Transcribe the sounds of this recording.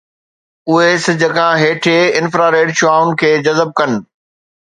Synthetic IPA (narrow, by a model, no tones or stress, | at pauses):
ʊɦesɪd͡ʑʱəkʰãɦeːʈʰeɪnfɾaːɾeːɖʃʊaːʊn̆kʰeːd͡ʑɐzəb̚kɐnɪ̆